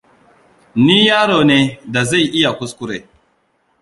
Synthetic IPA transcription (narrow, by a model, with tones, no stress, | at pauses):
niː˦jaː˦ɽoː˨neː˦da˨za˦˨ʔɪ˦ja˨kʷʊ˦skʷʊ˦ɾeː˨